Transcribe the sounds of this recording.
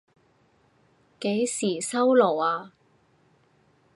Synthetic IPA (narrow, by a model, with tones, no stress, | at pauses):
ke˨˥jsiː˨˩sɐ˥wlo˨˩waː˧